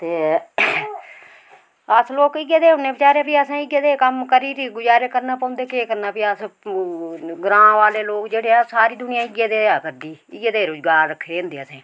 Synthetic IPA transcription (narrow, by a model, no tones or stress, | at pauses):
t̪eː | əsloːkɪɡeːd̪eːɦʊnẽːbɪt͡ʃaːɾeːpiːəsãːɪɡeːd̪eːkəmkəɾiːɾiːɡʊd͡ʒaːɾeːkəɾnaːpə̃ːnd̪eːkeːkəɾnaːpiːəs | ɡɾãːʋaːleːloːkd͡ʒeːɽeːasaːɾiːd̪ʊnɪjãːɪɡeːd̪eːaːkəɾd̪iːɪɡeːd̪eːɾʊd͡ʒɡaːɾɾəkʰːeːɦʊ̃nd̪eːəsẽː